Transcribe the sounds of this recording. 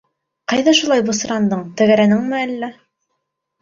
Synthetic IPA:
qɑjðɑʃulˠɑjbŏsɤ̆ɾɑnd̪ɤɴt̪æɡæɾænɘŋmɘælːæ

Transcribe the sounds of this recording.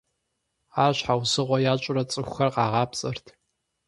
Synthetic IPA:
aːɕħawzɨʁʷɔjaːt͡ʃʷʼʊrɐt͡sʼɨxʷxɐrqɑːʁɑːpsʼɨrtʰ

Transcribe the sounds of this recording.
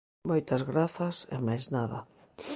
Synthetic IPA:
mojt̪ɐzɣɾaθɐsḛmajznaðɐ̰

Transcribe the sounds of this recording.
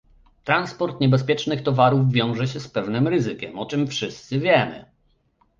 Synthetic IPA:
t̪ɾanspɔɾt̪ɲɛbɛspʲjɛt͡ʂnɘxt̪ɔvaɾuvːʲjɔ̃w̃ʐɛɕɛspɛvnɘmɾɘzɘkʲɛmɔt͡ʂɘmfʂɘst̪sɘvʲjɛmɘ̰

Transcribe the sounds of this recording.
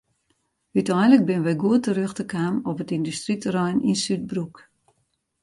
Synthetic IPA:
hytɛjnlək̚bɪnəʋɛjɡuətəɾøxtəkaːmɔpətindystritrɔjnʔinsyt̚bruk

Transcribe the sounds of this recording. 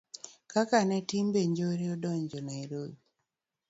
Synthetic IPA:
kakanɛtimbeɲd͡ʒoɾiɔdɔɲd͡ʒɔnaeɾodi

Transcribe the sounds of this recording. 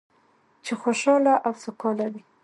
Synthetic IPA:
t͡ʃexoʃɑlaʔawsʊqɑlad̪i

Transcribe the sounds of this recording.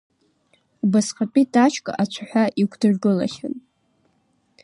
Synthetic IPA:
ubasqat͡pʼidat͡ʃʰkʼa̰ʔat͡ʃʷʰaħʷaʔikʷʰdɨrɡɨla̰χʲa̰n

